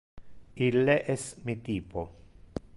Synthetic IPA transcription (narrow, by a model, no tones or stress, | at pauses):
ilːeʔɛsmit̪iːpo